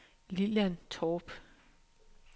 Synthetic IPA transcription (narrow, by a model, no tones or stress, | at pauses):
lilænt͡sʰɒːb̥